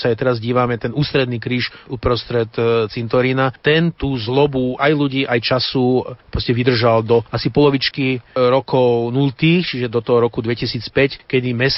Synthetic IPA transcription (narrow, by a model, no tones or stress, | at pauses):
saːjt̪ɛɾazɟiːʋamɛt̪ɛnuːst̪ɾɛd̪niːkɾiːʃupɾɔst̪ɾɛt̪t͡sint̪ɔɾinat̪ɛnt̪uːzlɔbuajluɟiːʔajt͡ʃasuppɾɔscɛʋid̪r̩ʒald̪ɔasipɔlɔʋit͡ʃkiɾɔkɔʊnult̪iːxt͡ʃiʒɛd̪ɔt̪ɔɦɔɾɔkud̪ʋɛcisiːt͡spɛckɛd̪imɛs